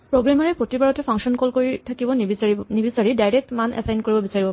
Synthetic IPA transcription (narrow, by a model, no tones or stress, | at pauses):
pɹoɡɹamaɹɛpɹotibaɹɔtɛpʰɔ̃ŋsɔnkɔlkoɹitʰakibɔnibisaɹidajɹɛk̚tmanʔɛ̰sajnkoɹibɔbisaɹibɔ